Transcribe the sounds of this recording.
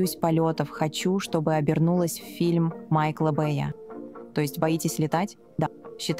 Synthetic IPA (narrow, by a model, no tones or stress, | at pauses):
usʲpɐlʲot̪əfxɐt͡ɕuʂt̪o̞bɨɐbʲɪrnulˠəsʲfʲfʲilʲmːajklˠəbɛjə̰t̪o̞jɪsʲtʲbɐjitʲɪsʲlʲɪt̪atʲ | d̪aɕːɪt̪